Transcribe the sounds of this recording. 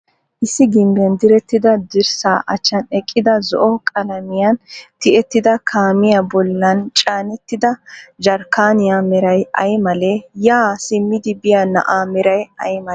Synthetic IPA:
ʔɪsːɪɡɪmbjɐnd̪ɪɾɛt̪ːɪd̪ɐd̪ɪɾsaːʔɐt͡ʃːɐnɛkʼːɪd̪ɐzɔ̰ʔɔkʼɐlɐmɪjɐnt̪ɪʔɛt̪ːɪd̪ɐkʰaːmɪjabɔlːɐnt͡ʃʼaːnɛt̪ːɪd̪ɐd͡ʒɐɾkaːnɪjamɛɾɐjɐjmɐlɛjaːsɪmːɪd̪ɪbɪjaːnɐ̰ʔaːmɛɾɐjɐjmɐ

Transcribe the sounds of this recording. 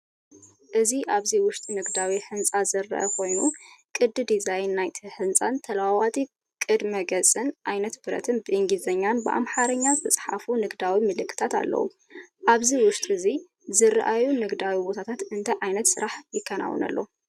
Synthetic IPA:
ʔɨziʔaβziwʊʃt̪ʼnɨɡd̪awiħɨnt͡sʼazɨrːɐ̰ʔɐ̰kʰo̞jnukʼɨd̪ɨd̪izajnːajt̪ʰiħɨnt͡sʼant̪ʰɐlwawat̪ʼi | kʼɨd̪mɐɡɐt͡sʼɨnʔajnɐt̪bɨɾɐ̰t̪ʰɨnbɨʔɨŋɡizɐɲːanbɨʔa̰mħaɾɐɲːazʰɨt͡sʼħa̰funɨɡd̪awimɨlɨkʰːɨ̥t̪ʰat̪a̰lːɐ̰wṵ | ʔaβziwʊʃt̪ʼɨzi | zɨɾʔajunɨɡd̪awibo̞t̪ʰat̪ʰat̪ɨnt̪ʰɐʕajnɐt̪sɨɾaħjɪkʰːɐna̰wɨ̰nɐ̰lːo̞̰

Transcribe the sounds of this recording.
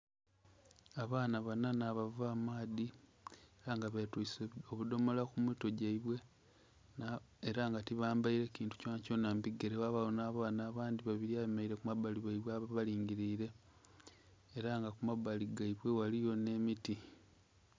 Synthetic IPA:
aβaːnaβananaβavaːmaːði | eɾaŋɡaβetwusoβudo̞mo̞lakumuto̞ɟaiβwe̞ | eɾaŋɡatiβaːmbaiɾe̞ciːntu̥co̞ːnaco̞ːnambiɡeɾewaβaonaːβaːnaːβaːnd̪iβaβiɾiaβemaiɾe̞kumaβaliβaiβweaβaβaliːŋɟiɾiːɾe̞ | ɾaŋɡakumaβaliɡaiβwe̞walijo̞ne̞miti

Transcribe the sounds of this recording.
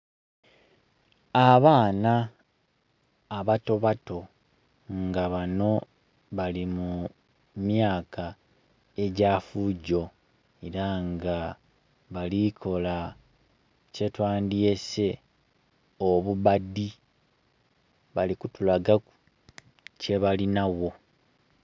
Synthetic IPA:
aβaːna | βato̞βato̞ | ŋɡaβano̞ | βalimu | mjaːka | e̞ɟaːfuɟo̞ | eɾaŋɡa | βalikʰo̞la | ce̞twaːndje̞se̞ | oβuβadi | βalikutulaɡaku | ceβalinawo̞

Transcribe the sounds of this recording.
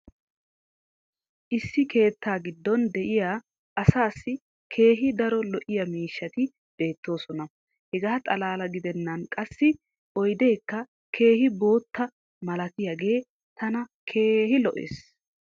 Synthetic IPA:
ʔɪsːɪkʰe̞ːt̪ːaːɡɪd̪ːɔnd̪ɛʔɪjaː | ɐsaːsːɪ | kʰe̞ːɦɪd̪ɐɾɔlɔʔɪjɐmiːʃːɐt̪ɪ | b̥e̞ːt̪ːo̞ːsɔnɐ | hɛɡaːt̪ʼɐlaːlɐɡɪd̪ɛnːɐnkʼɐsːɪ | ʔɔjd̪ejkːɐ | kʰe̞ːhɪbo̞ːt̪ːɐ | mɐlɐt̪ɪjɐɡe̞ː | t̪ɐnɐkʰe̞ːhɪlɔʔḛːs

